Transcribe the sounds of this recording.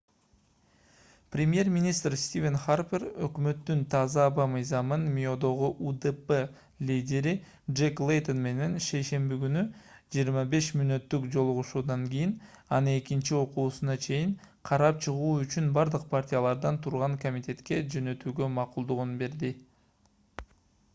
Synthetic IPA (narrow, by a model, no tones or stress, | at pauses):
prʲemʲje̞rmʲinʲist̪rst̪ʲivʲenχarpʲerø̰kmø̞t̪ːynt̪ʰɑzɑːbɑmɯjzɑmɯnmʲio̞d̪o̞ʁuʔud̪epe | lʲidʲe̞ɾi | dʒeklˠejt̪o̞nme̞ne̞nʃe̞jʃe̞mbikynyd͡ʒijːɾmɑbe̞ʃmynø̞t̪ːykd͡ʒo̞lˠuʁuʃuːd̪ɑŋɡʲijin | ɑnɯe̞kint͡ʃio̞quːsunɑt͡ʃʰe̞jiŋ | qʰɑɾɑp̚t͡ʃʰɯʁuːyt͡ʃynbɑɾd̪ɯq̚pʰartʲijalˠɑɾd̪ɑnt̪ʰuɾʁɑŋkomʲit̪ʲe̞t̪ke̞d͡ʒø̞nø̞t̪yːɡø̞mɑqulˠd̪uʁunbe̞ɾd̪i